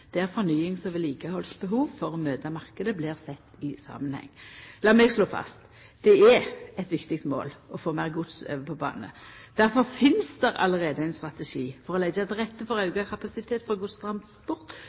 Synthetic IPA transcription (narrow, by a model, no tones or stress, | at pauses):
d̪̥ɛæʁfɔnyːɪŋsɔʋɛliːkəhɔlsbəɦuːʋfɔɾɔmøːt̪ɑmɑʁkəd̪əblɪʁsɛt̪ːɪsɑ̰ːmənhɛ̰ŋːlɑːmɛɡsloːfɑ̰st̪ | d̪̥ɛæɛt̪ʋɪkt̪ɪk̚t̪mo̰ːlɔfoːmæʁɡʊt̪sø̰ːʋəpʰɔbɑ̰ːnəə̰d̪̥æɾfɔɾfɪnsd̪ɛɾɑ̰ləʁeːd̪əæɪnst̪ʁɑt̪ɛʃiːfɔɾʁɔlɛɡəɛt̪ʁɛt̪ːəfɔɾɑʉɡɑkʰɑpɑsɪt̪ʰeːt̪fɔʁɡʊst̪ʁɑmspʊʁt̪